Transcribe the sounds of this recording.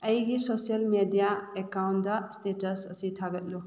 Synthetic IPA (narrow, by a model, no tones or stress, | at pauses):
ɐjɡisosiɐlmedijaekawndɐstetɐsɐsitʰaɡɐt̚lu